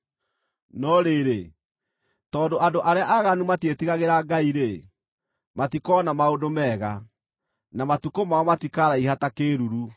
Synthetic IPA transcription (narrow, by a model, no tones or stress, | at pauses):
nɔɾeɾe | tɔːndoʔadoʔaɾeaʔaɣanumatetiɣaɣeɾaːɡaiɾe | matikɔnamaodomɛːɣa | namatukomaɔmatikaɾaihatakeːɾuɾu